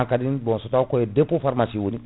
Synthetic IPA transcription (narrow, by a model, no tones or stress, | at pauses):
ãŋkadĩbɔ̃nsɔtakojedepofaɾmasiwonĩ